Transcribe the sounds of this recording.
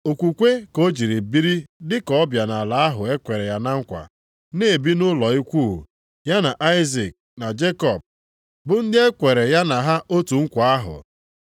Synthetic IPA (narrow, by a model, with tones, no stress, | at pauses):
o˨kʷu˨kʷe˦ko˦d͡ʒi˨ɾi˨bi˦ɾi˦dɪ˦kɔ˦ɔ˦bja˨na˨la˨˦a˦ɦʊ˨e˦kʷe˨ɾe˨ja˨na˦ŋ̩˦kʷa̰˨ | ne˦e˨bi˦nʊ˦lɔ˨i˦kʷu˦˨ | ja˦na˨ʔa˦ɪ˦zi˨k̚na˨d͡ʒe˦kɔ˨b̚ | bʊ˨n̩˦dɪ˦e˦kʷe˨ɾe˨ja˦na˨ɦa˦ʔo˦tu˨ŋ̩˦kʷa˨a˦ɦʊ̰˨